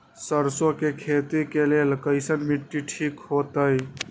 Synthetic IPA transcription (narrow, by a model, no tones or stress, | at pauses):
səɾsokekʰet̪ikelelkəɪsənmiʈːiʈʰikɦot̪əj